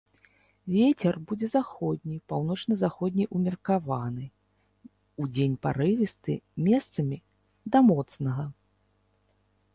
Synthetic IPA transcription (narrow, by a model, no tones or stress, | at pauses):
vʲet͡sʲɛrbud͡zʲɛzaxɔd̪ʲnʲijpawn̪ɔt͡ʂnɐzaxɔd̪ʲnʲijʔumʲɐrkavanɨ | ud͡zʲenʲpa̰ɾɨvʲist̪ɨ̰mʲɛst̪sɐmʲi | d̪ɐmɔt̪snɐɣɐ